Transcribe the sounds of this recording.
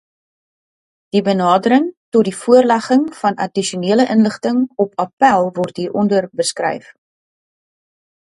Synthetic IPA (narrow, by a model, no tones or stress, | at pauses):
d̥ibənɑːdəɾəŋtɔt̚difuərlæχəŋfɐnʔɐdiʃiuniələʔənləχtəŋɔpɐpælˠvɔrtɦiːɾʔɔndərbəskrɛ̰jf